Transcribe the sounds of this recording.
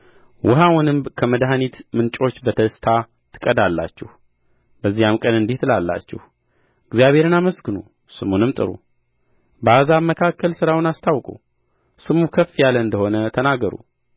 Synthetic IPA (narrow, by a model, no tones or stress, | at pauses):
wʊɦawʊnɨmbkʰəməd̪ɦanit̪mɨnt͡ʃʼo̞t͡ʃːbət̪ʰəst̪ʰa | t̪ʰɨ̥kʼəd̪alːa̰t͡ʃːɛh | bəzːijamkʼənɨnd̪iht̪ʰɨlalːa̰t͡ʃːɛ̰h | ɨɡzijaβhe̞ɾɨnaməsɡɨnu | sɨmunɨmt̪ʼɨ̰ɾṵ | bəazaməkʰakːəlsɨɾawɨnast̪ʰawkʼṵ | sɨmukʰəfːijaləɨnd̪əho̞nət̪ʰənaɡːəɾṵ